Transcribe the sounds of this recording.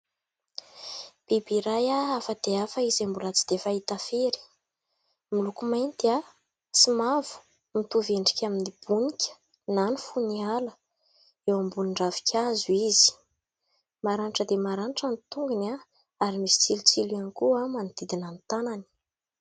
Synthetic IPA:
b̥ebiɾajaafəd̪̥eafaizambulat͡si̥d̪efaɦit̪afeɾi̥ | milukumajnt̪ia | simavu̥ | mit̪uveɳɖ͡ʐi̥kʲaminib̥unikʲə̥ | nanifunialə̥ | ewambuniɳɖ͡ʐavi̥kʰʲazuizi̥ | maɾanʈ͡ʂəd̪emaɾanʈ͡ʂanit̪uŋɡuna | aɾimisi̥t͡silit͡siliankuamanid̪̥id̪inant̪anani̥

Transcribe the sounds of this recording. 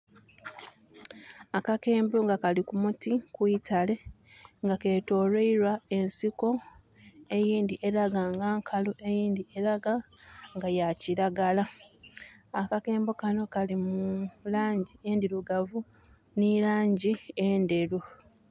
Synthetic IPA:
akake̞ːmboŋɡakalikumutikwiːtale̞ | ŋɡake̞ːto̞ːɾeiɾwae̞nsiko̞ | e̞jiːndiʔe̞ɾaɡaːŋɡaːŋkʰaloʔe̞jiːndieɾaɡaŋɡajaciɾaɡala | akake̞ːmbo̞kano̞kalimulaːɲɟiendiɾuɡavu | nilaːɲɟiende̞ɾu

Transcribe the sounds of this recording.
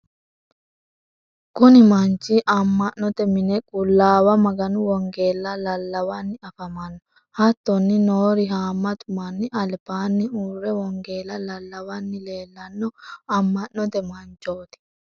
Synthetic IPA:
kʼʊnɪmɐnt͡ʃːɪʔɐmːɐʔnːɔt̪ɛmɪnɛkʼʊlːaːwɐmɐɡɐnʊwɔŋɡe̞ːlːɐlɐlːɐwɐnːɪɐfɐmɐnːɔ | hɐt̪ːɔnːɪnoːɾɪɦaːmːɐt̪ʼʊmɐnːɪʔɐlpaːnːɪuːrːɛwɔŋɡe̞ːlɐlɐlːɐwɐnːɪle̞ːlːɐnːɔɐmːɐʔnɔt̪ɛmɐnt͡ʃːoːt̪ɪ̥

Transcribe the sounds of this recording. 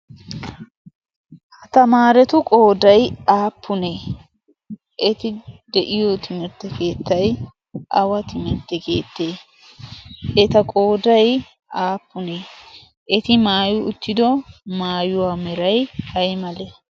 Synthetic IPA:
hɐt̪ɐmaːɾɛt̪ʊkʼo̞ːd̪ɐjaːpːʊne | ʔɛt̪ɪd̪ɛʔɪjot̪ɪmɛt̪ːɛke̞ːt̪ːɐj | ʔɐwɐt̪ɪmɛt̪ːɛke̞̰ːt̪ːeː | ɛt̪ɐkʼo̞ːd̪ɐj | ʔaːpːʊneː | ʔɛt̪ɪmaːjʊʊt̪ːɪd̪ɔmaːjʊwamɛɾɐjhɐjmɐlɛ

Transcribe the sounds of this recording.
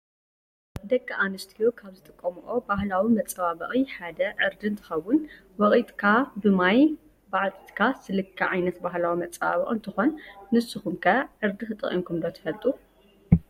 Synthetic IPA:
d̪ɐkːɐʔanɨst̪ʰijokʰaβzɨt̪ʼɨkʼːɐmuʔo̞bahlawimɐt͡sʼɐβabɐχʼiħad̪ɐʕɨɾd̪ɨnt̪ʰɨ̥xɐwːʊn | wɐɣʼit̪ʼkʰabɨmaj | baʕt͡s̪ʼt̪ʰkʰasɨlɨkʰːɐʕajnɐt̪baɦlawimɐt͡sʼɐβa̰βɐ̰ʔʼɨ̰nt̪ʰɨxo̞nːɨsːɨxumkʰɐʕɨɾd̪ɨxɨt̪ʼɨχʼḭmkʰumd̪ot̪ʰɐ̥fɐlt̪ʼu

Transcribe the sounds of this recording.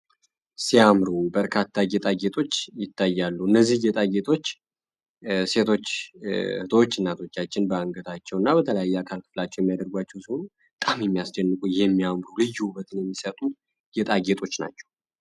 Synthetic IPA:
siamɾubəɾkʰat̪ʰːaɡɛt̪ʼaɡet̪ʼo̞t͡ʃːjɪt̪ːajːalːuɨnːəzːihɡɛt̪ʼaɡet̪ʰo̞t͡ʃː | se̞t̪ʰo̞t͡ʃːhɨt̪ʰot͡ʃːɨnːat̪ʰo̞t͡ʃːat͡ʃːɪnbəaŋɡət̪ʰat͡ʃːɛwɨnːabət̪ʰələjajːɛakʰalkʰɨ̥flat͡ʃːɛwjɛmːijad̪əɾɡwat͡ʃːɛwsihonu | t̪ʼamjɛmːijasd͡ʒɛnːɨkʼujɛmːijamɾulɨjːuhubət̪ʰɨnjɛmːisət̪ʼu | ɡ̥ɛt̪ʼaɡet̪ʼo̞t͡ʃːna̰t͡ʃːɛ̥w

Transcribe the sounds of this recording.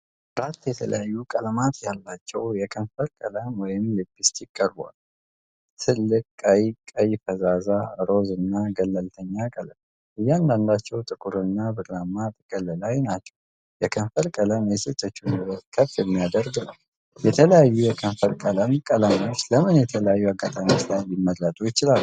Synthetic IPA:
ɾat̪ːjɛt̪ʰə̰lə̰jajːukʼələmat̪ʰjalːat͡ʃːɛwjɛkʰənfəɾkʼələmwɔjɪmlɨbːist̪jɪkʼːəɾbwa̰l | t̪ʰɨlːɨkʼaəjkʼəjfəzazaɾo̞zɨnːaɡəlːəlt̪ʰəɲːakʼəlm | ʔɨjːɛand̪and̪at͡ʃːɛwt̪ʼɨkʼuɾɨnːabɨɾamːat̪ʼɨkʼəlːɨlajnat͡ʃːɛw | jɛkʰəɱfəɾkʼələmjɛsɨt̪ʰʼːət͡ʃːunwət̪kʰəfːjɛmːijad̪əɾɡɨnəw | jɛt̪ʰələjajːujɛkʰəɱfəɾkʼələmkʼəlamiot͡ʃːləmɨnjɛt̪ʰələjajːuaɡat̪ʼamot͡ʃlajlimːəd̪lat̪ʼujɪt͡ʃɪlal

